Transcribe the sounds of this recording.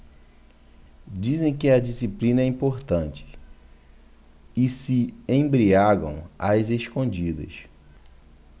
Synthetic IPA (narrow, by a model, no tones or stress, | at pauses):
d͡ʒizẽj̃kɪɐd͡ʒisiplĩnɐɛĩpoɾt̪ɐ̃nt͡ʃɪ̥ | ɪsɪẽbɾiaɡɐ̰̃w̃azeskõd͡ʒid̪ɐ̰s